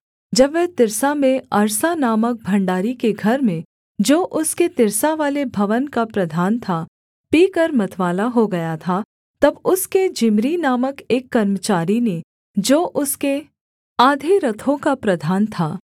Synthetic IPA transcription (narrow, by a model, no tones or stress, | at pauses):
d͡ʒɐbʋɛt̪ɪɾsamẽɐɾsanaːmək̚bʱɐ̃ɳɖaːɾikeɡʱɐɾmẽ | d͡ʒoːʔʊsket̪ɪɾsaʋaːlebʱɐʋənkapɾɐd̪ʱaːnt̪ʰa | piːkəɾmɐt̪ʰʋaːlaɦoɡɐjat̪ʰa | t̪ɐbʊsked͡ʒɪmɾinaːməkeːkːɐɾmət͡ʃaːɾine | d͡ʒoːʔʊske | aːd̪ʱeɾɐt̪ʰõkapɾɐd̪ʱaːnt̪ʰaː